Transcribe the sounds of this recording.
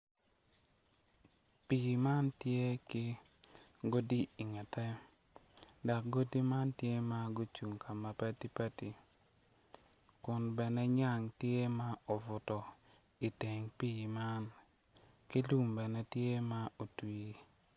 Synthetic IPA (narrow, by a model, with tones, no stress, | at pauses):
pi˨ma˦ntje˦kɪ˦ | ɡo˦di˦i˨ŋɛ˨tɛ˦ | da˨k̚ɡo˦di˦ma˦ntje˦ma˦ɡo˦t͡ʃu˨ŋka˨ma˨pɛ˦ti˦pɛ˦ti˨ | kʊ˨nbɛ˨nɛ˦ɲa˦˨ŋtje˦ma˦o˨vʊ˨tɔ˨ | i˨te˨ŋpi˦˨ma˦n | ki˦lu˦mbɛ˨nɛ˦tje˦ma˦o˨twi˨˦